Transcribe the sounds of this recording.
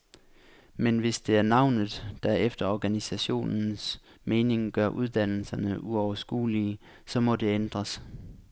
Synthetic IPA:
menʋe̝sd̥e̝æɐnɑ̈ʊ̰nð̩ˠd̥æefd̥ɐɒɡ̥ænisæɕo̝̰ːnn̩s | me̝ːne̝ŋɡ̥ɶɐʔuð̞ˠd̥æn̰l̩sɐnəʔuɒʊɐsɡ̥ṵːli | sɒ̽mɒ̽d̥e̝end̥ʁɐs

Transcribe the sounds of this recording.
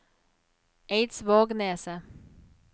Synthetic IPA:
eɪt̪svɑːɡnɛːsə

